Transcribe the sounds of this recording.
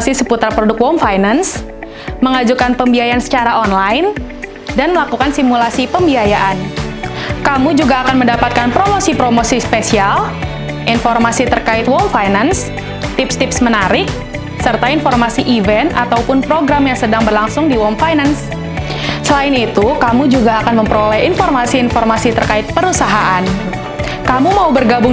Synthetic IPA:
sisəput̪ɾapɾodʊkwomfajnans | məŋad͡ʒukanpəmbiajaansə̥t͡ʃaɾaɔnlaɪn | danməlakukansimulasipəmbiajaʔan | kamud͡ʒuɡaːkanməndapat̪̚kanpɾomosipɾomosispesial | ʔinfɔrmasit̪ərkaɪt̪wɔmfajnans | t̪ɪpst̪ɪpsmənaɾɪk̚ | sərt̪ainfɔrmasiʔivɛnt̪a̰t̪awpʊnpɾoɡɾamjaŋsədaŋbərlaŋsʊŋdiwɔmfajnans | səlaɪnit̪ukamud͡ʒuɡaːkanməmpɾolɛhinfɔrmasiːnfɔrmasit̪ərkaɪt̪̚pəɾusaɦaʔan | kamumaubərɡabʊŋ

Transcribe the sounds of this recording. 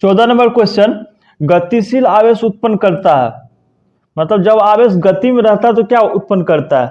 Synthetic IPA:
t͡ʃɔːd̪anɐ̃mbəɾkweːst͡ʃən | ɡət̪ːisilaːʋeːsʊt̪̚pənkɐɾt̪aɦɛ̰ː | mɐt̪ləbd͡ʒɐbaːʋeːsɡɐt̪imẽɾɐɦt̪aɦɛt̪okjaʊt̪̚pənːkɐɾt̪aɦɛ

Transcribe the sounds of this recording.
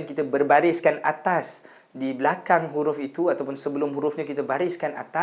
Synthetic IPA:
nkit̪abərbaɾɪskanat̪as | diblakaŋɦuɾʊfit̪uat̪awpʊnsəbəlʊmɦuɾʊfɲakit̪abaɾɪskana̰t̪a

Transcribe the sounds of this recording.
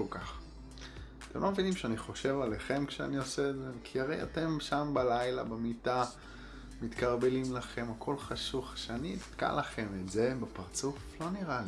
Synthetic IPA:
ukaχ | te̞mlomevinimʃeaniχo̞ʃe̞valeχe̞mkʃea̰nio̞seːzekʰiaʁe̞ja̰te̞mʃambalajla̰bemita | mit̪kaʁbe̞limlaχe̞makʰo̞lχaʃuχʃeanitka̰laχe̞metze̞bepaʁt͡suflo̞niʁali

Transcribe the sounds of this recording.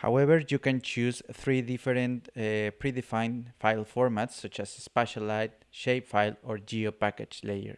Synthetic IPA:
ha̰wɛβəɹjukɛ̃nt͡ʃʰusθɾiðifeɾẽnt̪pɾiðifãj̃nfajlfoɹmat̪sːʌt͡ʃasspɛʃalajt | ʃejpfajloɹd͡ʒiopaked͡ʒlejə̰ɹ

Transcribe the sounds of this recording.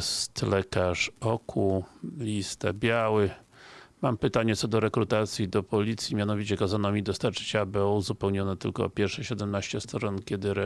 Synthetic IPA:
st̪lɛkaʂɔkʰulʲist̪a̰bʲjawɘ | mampɘt̪aɲɛt̪sɔd̪ɔɾɛkɾut̪at̪sʲjid̪ɔpɔlʲit̪sʲjimʲjanɔvʲit͡ɕɛkazanɔmʲid̪ɔst̪aɾt͡ʂɘ̥t͡ɕabɘɔuzupɛwɲɔnɛt̪ɘlkɔ̰ːpʲjɛɾʂɛɕɛd̪ɛmnaɕt͡ɕɛst̪ɾɔnkʲɛd̪ɘɾɛ

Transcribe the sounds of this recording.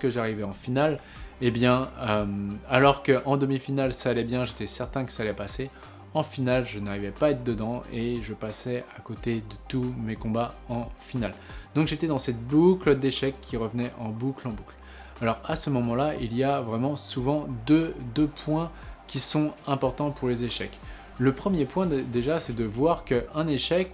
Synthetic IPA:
skəʒaʁivɛɑ̃final | ebjɛ̃ømalɔʁkəʔɑ̃d̪əmifinalsaːlɛbjɛ̃ʒet̪ɛsɛʁt̪ɛ̃kə̥salɛpase | ɑ̃finalʒənaʁivɛpaɛt̪d̪əd̪ɑ̃eʒəpasɛakot̪ed̪ət̪umekɔ̃baɑ̃finald̪ɔ̃kʒet̪ɛd̪ɑ̃sɛt̪bukləd̪eʃɛkʰʲːiʁəvnɛʔɑ̃buklɑ̃bukl | alɔʁasəmɔmɑ̃lailijavʁɛmɑ̃suvɑ̃d̪ød̪øpʰwɛ̃kʲisɔ̃ɛ̃pɔʁt̪ɑ̃puʁlezeʃɛk | ləpχəmjepwɛ̃d̪eʒasɛd̪əvwaʁkəɛ̃neʃɛk

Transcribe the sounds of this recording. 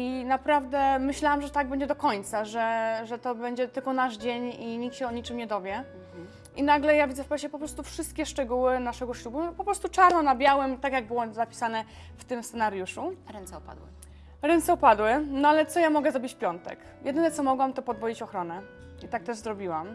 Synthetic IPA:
inapɾavd̪ɛmɘɕlawamʐɛt̪aɡ̚bɛɲd͡ʑɛd̪ɔkɔɲt̪saʐɛʐɛt̪ɔbɛɲd͡ʑɛt̪ɘlkɔnaʐd͡ʑeɲiɲiktɕɛɔɲit͡ʂɘmɲɛd̪ɔvʲjɛ | ʔinaɡlɛjavʲidzɛfpɛɕɛpɔpɾɔst̪ufʂɘst̪̚kʲɛʂt͡ʂɛɡuwɘnaʂɛɡɔɕlubupɔpɾɔst̪ut͡ʂaɾnɔnabʲjawɛmt̪akjaɡ̚bɘwɔzapʲi̥sanɛ | ft̪ɘmssɛnaɾjuʂuɾɛnspa̰d̪w | ɾɛnt̪sɛupad̪wɘnɔalɛt̪sɔjamɔɡɛzɾɔbʲit͡ɕfpʲjɔnt̪ɛ̰k | jʔɛd̪ɘnɛt̪sɔmɔɡwamt̪ɔpɔd̪vɔit͡ɕɔxɾɔnɛ | it̪ak̚t̪ɛʐzɾɔbʲiwam

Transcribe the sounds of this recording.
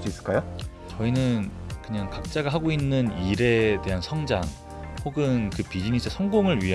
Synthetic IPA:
suis͈ɯɭk͈ajo | t͡ɕʌinɯnkɯɲaŋkak̚t͡ɕ͈aɡaɦaɡoinːɯniɾe̞te̞ɦansʰʌŋd͡ʑa̰ŋ | hoɡɯnkɯpid͡ʑinisʰɯsʰʌŋɡoŋɯɭɥiɦ

